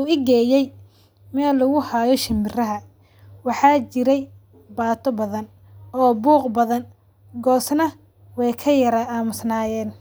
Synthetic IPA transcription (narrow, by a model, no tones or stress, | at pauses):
uɪɡɛːjɛj | mɛːlːɐɣʊhaːjɔʃɪmbɪrɐɦɐ | wɑħɑːt͡ʃɪɾɛj | baːt̪ʰɔbɐðɐn | ʔɔːbuːqbɐðɐn | ɡɔːsnɐ | wɛjkʰɐjɐɾɐaːmʊsnaːjɛːn